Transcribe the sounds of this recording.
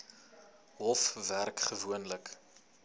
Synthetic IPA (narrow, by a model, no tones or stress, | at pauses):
ɦɔfværkχəvuənlək